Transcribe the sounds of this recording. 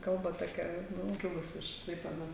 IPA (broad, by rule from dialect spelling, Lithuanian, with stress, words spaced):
ˈkɐlˠbɐ toːˈkʲɛ ˈnuː ˈkʲɪlˠʊs ɪʃ ˈklˠɐɪpʲeːdoːs